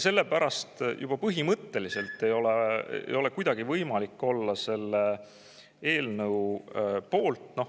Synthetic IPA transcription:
se̞lːe̞pæɾɑst̪jub̥ɑpɤɦimɤt̪ːe̞lise̞lt̪ːˑe̞jo̞leḛjo̞le̞kujd̪̥ɑɡ̥ivɤjmɑlikːo̞lːɑse̞lːe | e̞ːlnɤwpo̞ːlt̪no̞

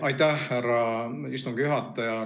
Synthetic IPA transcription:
ɑjt̪æhhærɑyst̪uŋɡ̥jyɦɑt̪ːˑɑjɑ

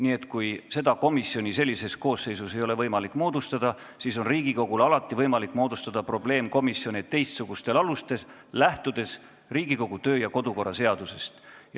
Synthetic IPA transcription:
niːe̞t̪ːˑkujse̞d̪̥ɑko̞misio̞nʲise̞lːise̞sko̞ːsːe̞jsuse̞jo̞le̞vɤjmɑlikːˑmo̞ːd̪ust̪ɑd̪ɑ | siso̞nriːɡiko̞ɡ̥ulɑlɑt̪ːˑivɤjmɑlikːˑmo̞ːd̪ust̪ɑd̪̥ɑpro̞ble̞ːmko̞misjo̞nʲet̪ːe̞jst̪suɡ̥ust̪e̞lɑlust̪e̞slæht̪ud̪̥e̞s | riːɡ̥iko̞ɡ̥ut̪ø̞ːjɑko̞d̪̥uko̞rːɑse̞ɑd̪̥use̞st̪j

